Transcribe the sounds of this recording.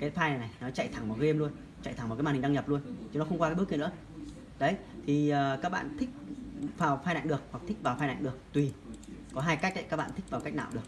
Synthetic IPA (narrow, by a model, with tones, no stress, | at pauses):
kaː˨˦tfaː˧jna˨˩jna˨˩jnɔ˨˦t͡ɕa̰˧˨jt̪ʰa˨˩ŋma˨˩ɣe˧mlu˧ən | t͡ɕa̰˧˨jt̪ʰa˨˩mː˨˩kːaː˨˩˨ɗɲə˨˩p̚lu˧ənt͡ɕɨ˧nɔ˦xə˧wŋ͡mkwa˧aː˨˦ɓkn̰ɨ˧˦˥ə | ɗə˨˦j | t̪ʰi˨˩əː˨˩kaː˦˥k̚ɓa̰ː˧˨nt̪ʰï˦˥k̚faː˨˩wfaː˧jna̰˧˨ŋɗɨ˨˩ək̚wa˨˩k̚t̪ʰï˦˥k̚vaː˨˩wfaː˧jna̰˧˨ŋ̟ɨ˨˩ək̚t̪wi˨˩kɔ˨˦ɦaː˧jka˦˥k̟̚ɗə̰˧˨kaː˦˥k̚ɓa̰ː˧˨nt̪ʰk̚vaː˨˩wka˦˥k̚na̰ː˧˨wɗɨ˨˩ək̚